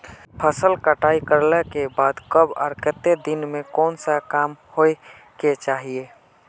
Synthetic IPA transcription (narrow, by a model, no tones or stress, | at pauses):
pʰəsəlkəʈaːikəɾlekebaːd̪kəbɔ̰ːɾkət̪ːed̪ɪnmẽkɔːnsakaːmhoe | ket͡ʃaːɦie